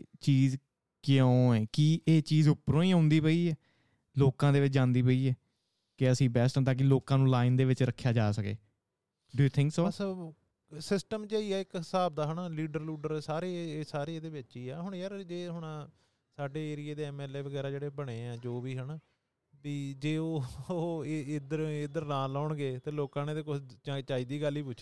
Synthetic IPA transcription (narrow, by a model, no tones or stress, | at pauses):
t͡ʃiːz | kɪjõːɛːkiːʔeːt͡ʃiːzʊpːɾõːĩːõːnd̪iːpəiːɛː | loːkãːd̪eːʋɪt͡ʃd͡ʒãːnd̪iːpəiːɛː | kɪəsĩːbɛːsʈə̃t̪ãːk̬ɪloːkãːnũːlaːɪnd̪eːʋɪt͡ʃɾəkʰːjaːd͡ʒaːsəkḛː | ɖʊjuːt̪ʰɪ̃ŋksoəs | sɪsʈəmd͡ʒeiːɛːɪkɪsaːb̚d̪aːɦənaːliːɖəɾluːɖəɾsaːɾeːsaːɾeːeːd̪eːʋɪtːiːɛːɦʊɳjəɾd͡ʒeːɦʊɳaː | saːɖeːeːɾɪeːd̪eːɛːmɛːleːʋəɡɛːɾaːd͡ʒeːɽeːbəɽ̃eːɛ̃ːd͡ʒoːʋiːɦənː | tiːd͡ʒeːoːoːɪd̪əɾɪd̪əɾnãːlɔːɳɡeːt̪eːloːkãːneːd̪eːkʊat͡ʃaːiːd̪iːɡəlːiːpʊt͡ʃːʰ